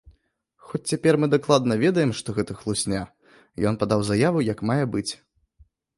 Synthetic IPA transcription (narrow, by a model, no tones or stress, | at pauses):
xɔt͡sʲt͡sʲapʲɛrmɨd̪aklˠad̪nɐvʲɛd̪ɐjɛmʂt̪ɔɣɛt̪ɐxlˠusʲnʲa | jɔnpad̪awzajavujɐkmajɛbɨt͡sʲ